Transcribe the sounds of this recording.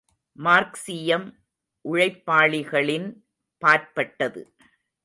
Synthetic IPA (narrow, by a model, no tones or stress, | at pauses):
maːɾksɪjɐm | ʔʊɻɐɪpːaːɭɪɣɐɭɪn | paːɾpɐʈːɐðɯ̰